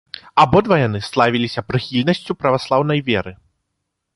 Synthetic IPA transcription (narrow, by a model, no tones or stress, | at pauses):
abɔd̪vɐjanɨslˠavʲilʲisʲɐpɾɨxʲilʲnɐsʲt͡sʲupɾɐvaslˠawnɐjvʲɛɾɨ